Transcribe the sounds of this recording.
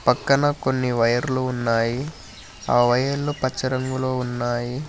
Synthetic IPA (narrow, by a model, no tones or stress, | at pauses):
pɐkːɐnɐko̞nːiʋɐjɐɾluunːaːji | aːʋɐjɐlːupɐt͡ʃːɐɾɐŋɡuloːunːaːji